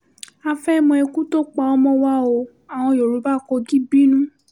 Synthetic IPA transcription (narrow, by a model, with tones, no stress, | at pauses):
a˧fɛ˦mɔ̃˧ɛ˧kũ˦to˦k͡pa˧˨ɔ˧˦mɔ̃˦wa˦o˧˦ | a˨w̃ɔ̃˧jo˨ɾu˨˦ba˦˨kɔ˧ɡi˦bi˦nũ˦